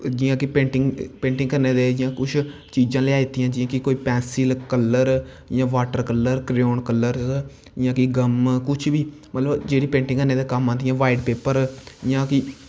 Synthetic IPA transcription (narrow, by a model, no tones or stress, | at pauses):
d͡ʒijãːkɪpẽːɳʈɪŋɡpẽːɳʈɪ̃ŋkəɾneːd̪eːd͡ʒɪjãːkʊt͡ʃʰ | t͡ʃiːd͡ʒãːleːaːit̪ijãːd͡ʒijãːkɪkoːiːpɛ̃ːsilkəlːəɾ | jãːʋaːʈəɾkəlːəɾkɾoːnkəlːəɾ | jãːkɪɡəmkʊt͡ʃʰbiː | mət̪ləbd͡ʒeːɽiːpẽːɳʈɪ̃ŋɡkəɾneːd̪eːkəmãːd̪ɪjãːʋaːɪɖpeːpəɾjãːkɪ